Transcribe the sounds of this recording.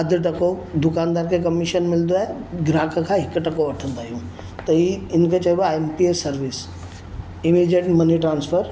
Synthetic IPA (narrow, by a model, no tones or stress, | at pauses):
ɐd̪ʱʈɐkod̪ʊkaːnd̪aːɾkʰekɐmiʃənmɪld̪oaːɦeɡɾaːkʰkʰãɦɪkʈɐkoɐʈʰə̃nd̪aːɦijũː | t̪ɐiɪnkʰet͡ʃɐoaempiesɐɾʋɪs | ɪmid͡ʒeʈmɐniʈɾãːnsfʰəɾ